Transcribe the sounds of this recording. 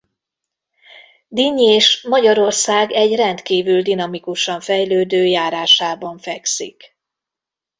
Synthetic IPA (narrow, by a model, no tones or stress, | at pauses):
d̪iɲeːʃmɒɟɒɾo̞rsaːɡɛɟrɛnt̪kiːvyld̪inɒmikuʃɒɱfɛjløːd̪øːjaːɾaːʃaːbɒɱfɛksḭk